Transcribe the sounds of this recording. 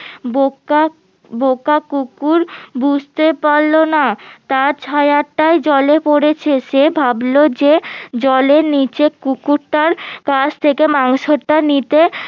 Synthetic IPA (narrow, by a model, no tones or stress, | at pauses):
boka | bokakukuɾbud͡ʑʱt̪epaɾlonat̪aɾt͡ɕʰajaʈːajd͡ʑɔlepoɾet͡ɕʰeʃebʱablod͡ʑed͡ʑɔleɾnit͡ɕekukuɾʈaɾkat͡ɕʰt̪ʰekemaŋʃoʈːanit̪e